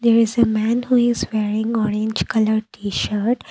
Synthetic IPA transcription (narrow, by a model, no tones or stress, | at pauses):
d̪eːɾɪzəmæ̃nhuːɪzʋeːɾɪ̃ŋɔːɾẽnd͡ʒkʌləɾʈʰiːʃəɾʈ